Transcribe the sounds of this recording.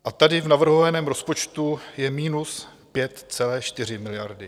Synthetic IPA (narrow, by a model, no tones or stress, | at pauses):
ʔat̪adɪvnavr̩ɦo̞vanɛːmɾo̞spo̞t͡ʃt̪ujɛmiːnus | pjɛt̪t͡sɛlɛːʃt̪ɪr̝ɪmɪlɪjaɾdɪ